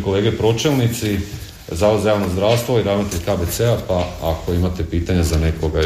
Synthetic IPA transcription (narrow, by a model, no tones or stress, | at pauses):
ko̞le̞ːɡepɾo̞t͡ʃelˠnit̪si | zaːʋod̪zajaːʋnozd̪ɾaːʋst̪ʋoiɾaːzmat̪it̪xabet̪seapaakʰo̞imat̪e̞piːt̪aɲazanekoɡa